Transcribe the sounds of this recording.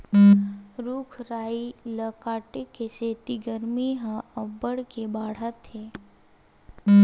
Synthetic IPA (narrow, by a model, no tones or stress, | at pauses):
ɾuːkʰɾaːiləkaːʈekeseːt̪iɡəɾmiɦãɐbəɽkebaːɽ̤at̪ːeː